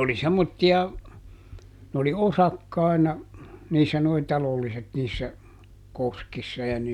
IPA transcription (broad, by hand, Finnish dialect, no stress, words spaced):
oli semːotːiɑ n oli osɑkːɑˑi̯nɑ niːsːæ noi tɑlolːiset niːsːæ koskisːɑ jɑ